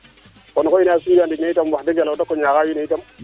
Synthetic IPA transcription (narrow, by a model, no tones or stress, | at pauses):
konkoinasujandiɡneitambaded͡ʒalotakːoɲakajineitam